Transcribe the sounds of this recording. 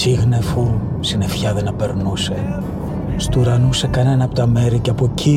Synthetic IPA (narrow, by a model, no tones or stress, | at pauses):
siɣnefu | sine̞fçɐðenɐpe̞ɾnuse̞ | st̪uɾɐnuse̞kɐne̞nɐːpot̪ɐme̞ɾiceɐpocʰi